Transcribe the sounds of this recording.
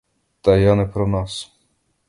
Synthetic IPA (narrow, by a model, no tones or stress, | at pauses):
t̪ɐjanɛpɾɔnɑs